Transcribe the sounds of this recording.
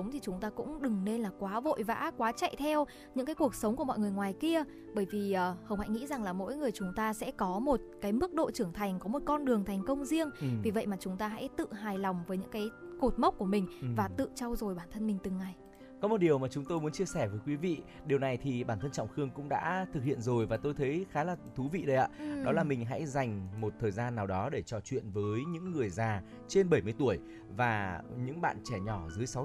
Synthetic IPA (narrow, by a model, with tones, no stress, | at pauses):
ə˨˦wŋ͡mt̪ʰi˨˩t͡ɕʊ˨˦ŋ͡mt̪aː˧kʊ̰˧˥ŋ͡mɗɨ˨˩ŋne˧nlaː˨˩kwaː˨˦vo̰˧˨jva̰ː˧˥kwaː˨˦t͡ɕa̰˧˨jt̪ʰɛ˧w | ɲɨ̰˧˥ŋkaː˨˦jku˨˩ək̚sə˨˦wŋ͡mku˧˩əɔ̰˧˨jŋɨ˨˩əjŋwaː˨˩jki˧ə | ɓəː˧˩jvi˨˩əː˨˩hə˧wŋ͡mha̰˧˥jŋḭ˧˥za˨˩ŋlaː˨˩mo̰˧˥jŋɨ˨˩əjt͡ɕʊ˨˦ŋ͡mt̪aː˧sɛ̰˧˥kɔ˨˦mo˨˩t̚kaː˨˦jmɨ˦˥k̚ɗo̰˧˨t͡ɕɨ˧˩əŋt̪ʰa˨˩jŋ̟kɔ˨˦mo˨˩t̚kɔ˧nɗɨ˨˩əŋt̪ʰa˨˩jŋ̟kə˧wŋ͡mzi˧əŋvi˨˩və̰˧˨jmaː˨˩t͡ɕʊ˨˦ŋ͡mt̪aː˧ɦa̰˧˥jt̪ɨ̰˧˨ɦaː˨˩jla˨˩wŋ͡mvəː˨˦jɲɨ̰˧˥ŋkaː˨˦jko˨˩t̚mə˦˥wk͡p̚ku˧˩əmï˨˩ŋ̟vaː˨˩t̪ɨ̰˧˨t͡ɕɔ˧wzo˨˩jɓaː˧˩nt̪ʰə˧nmï˨˩ŋ̟t̪ɨ˨˩ŋːa˨˩j | kɔ˨˦mo˨˩t̚ɗi˨˩əwmaː˨˩t͡ɕʊ˨˦ŋ͡mt̪o˧jmu˨˦ənt͡ɕi˧əsɛ˧˩vəː˨˦jkwi˨˦vḭ˧˨ | ɗi˨əwna˨˩jt̪ʰi˨˩ɓaː˧˩nt̪ə˧nt͡ɕɔ̰˧˨wŋ͡mxɨ˧əŋkʊ̰˧˥ŋ͡mɗa̰ː˧˥t̪ʰɨ˨˩k̚hḭ˧˨ənzo˨˩jvaː˨˩t̪o˧jt̪ʰə˨˦jxaː˨˦laː˨˩t̪ʰu˨˦vḭ˧˨ɗə˨˦jʔa̰ː˧˥ɗɔ˨˦laː˨˩mï˨˩ŋ̟ɦa̰˧˥jza˨˩jŋ̟mo˨˩t̚t̪ʰəː˨˩jzaː˧nːaː˨˩wɗɔ˨˦ɗe˧˩t͡ɕɔ˨˩t͡ɕwḭ˧˨ənvəː˨˦jɲɨ̰˧˥ŋːɨ˨˩əjzaː˨˩ | t͡ɕe˧nɓə˧˩jmɨ˧əjt̪u˧˩əj | vaː˨˩ɲɨ̰˧˥ŋɓa̰ː˧˨nt͡ɕɛ˧˩ɲɔ˧˩zɨ˨˦jsa˨˦w